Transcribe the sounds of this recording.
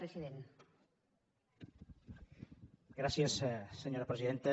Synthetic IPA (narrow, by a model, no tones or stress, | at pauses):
ɾesiðen | ɡɾasjesseɲoɾapɾesiðent̪e